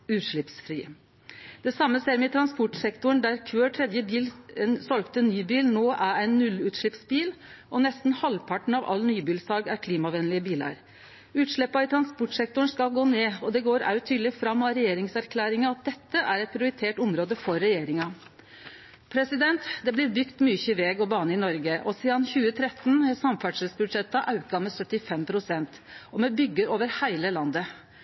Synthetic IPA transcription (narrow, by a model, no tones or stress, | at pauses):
ʉːt̪ʂɭɪpsfɾiː | d̪̥ɛsɑmːəseːɾmɛt̪ʰɾɑnspɔʈsɛkt̪ʊəɳ̩d̪æɾkʰʋøːʈʰɾɛd̪jəbiːlsɔlɡt̪ənyːbiːlnoːʔæɾæɪnːʉlːʉːt̪ʂɭɪpsbiːl | ʔɔnɛst̪n̩hɑlpʰɑʈɳ̩ɑʋɑ̰lːnyːbiːlsɑːɡæɾkʰliːmɑʋɛnlɪəbiːlɑ̰ɾ | ʉːt̪ʂɭɛpːɑɪt̪ʰɾɑnspɔʈʂɛk̚t̪ʊəɳ̩skɑlɡoːneːɔd̪ɛɡoːɾɑ̰ʉt̪ʰyːd̪lɪfɾɑmːɑɾɛjeːɾɪŋsæɾkʰlæːɾɪŋɑɑt̪̚d̪ɛt̪ːəʔæɾɛt̪̚pʰɾɪʊɾɪt̪ʰeːʈʊmɾoːd̪əfɔɾɛjeːɾɪŋɑ | pʰɾɛsɪd̪ɛnt̪d̪ɛblɪɾbʏɡt̪myːçəʋɛːɡɔbɑːnəɪnɔɾɡəʔɔsiːɑnçʉːət̪ʰɾɛt̪ːnsɑmfæʈʂəlsbʉd̪ʂɛt̪ːɑʔɑʉkɑmɛsœt̪ːɪfɛmpʰɾʊsɛnt̪ | ɔmɛbʏɡːəɾoːʋəɾhæɪləlɑnd̪ə